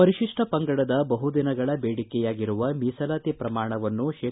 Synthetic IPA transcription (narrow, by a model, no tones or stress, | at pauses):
pɐɾiʃiʂʈɐpɐŋɡɐɽɐd̪ɐbɐɦud̪inɐɡɐɭɐbeːɽikɛjaːɡiɾuʋɐmiːsɐlaːt̪ipɾɐmaːɳɐʋɐnːuʃeː